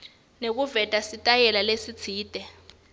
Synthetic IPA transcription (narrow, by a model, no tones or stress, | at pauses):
nek̬uvɛtʼasitʼajɛlalesi̥t͡sʰiːd̥ʱɛ